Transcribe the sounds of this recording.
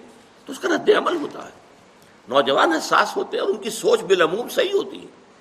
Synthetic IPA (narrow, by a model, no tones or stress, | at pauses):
t̪oʊskaɾɐd̪ːeɐməlɦoːt̪a̰ɦɛː | nɔːd͡ʒɐʋaːnɦɛsa̰ːsɦoːt̪eɦɛɔːɾʊnkisoːt͡ʃbɪlɐmuːmsɐɦiɦoːt̪ḭɦɛ̰ː